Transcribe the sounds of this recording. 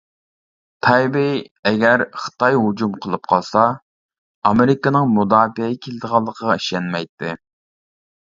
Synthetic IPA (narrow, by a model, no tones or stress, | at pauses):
t̪ʰɑjbɪ | ɛɡʲæɾχə̥t̪ɑjɦud͡ʒumqʰəlˠɨp̚qʰɑlˠsɑ | ɑmɪɾɪkənɨŋmud̪ɑːfɪkʲʰelɨd̪əʁɑlˠːəqʰəʁɑiʃɛnmɛjt̪ʰːɪ